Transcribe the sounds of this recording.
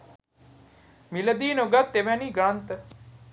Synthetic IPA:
miləd̪iːnoɡat̪ːeʋɛ̃niːɡɾɐnt̪

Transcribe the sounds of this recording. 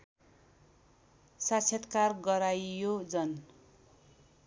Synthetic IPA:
sasʰʌt̪karɡʌɾajjod͡zʌn

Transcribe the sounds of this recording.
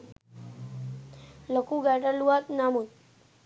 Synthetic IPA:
ləkuɡɛʈəɾluat̪namut̪̚

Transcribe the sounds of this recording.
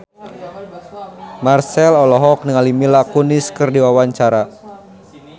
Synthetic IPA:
marsɛlɔlɔɦɔk̚nəŋalimilakuniskɨrdiwawaɲt͡ʃaɾa

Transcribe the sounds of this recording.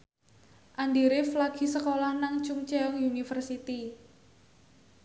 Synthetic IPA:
ʔandiɾɪflaɡ̥i̤səkolahnaŋt͡ʃʊŋt͡ʃeɔŋjunifərsit̪i

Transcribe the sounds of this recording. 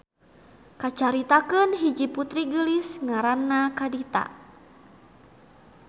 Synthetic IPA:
kat͡ʃaɾit̪akənɦid͡ʒiput̪ɾiɡəlisŋaɾanːakadit̪a̰

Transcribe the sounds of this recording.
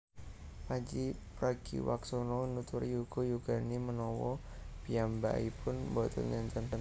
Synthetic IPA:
pad͡ʒipɾaɡ̥ḭwaksonɔnut̪uɾijuɡ̥ojuɡ̥animənɔwɔ | piambaipʊnbɔt̪ɔ̰nɲant͡ʃansən

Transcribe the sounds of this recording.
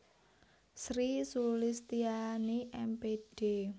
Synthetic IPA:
sɾisulɪst̪ianiʔɛmpeɖ̥e

